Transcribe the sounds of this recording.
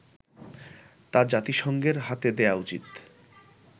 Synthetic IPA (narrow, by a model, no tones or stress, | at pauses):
t̪ad͡ʑat̪iʃɔŋɡeɾɦat̪ed̪eaut͡ɕḭt̪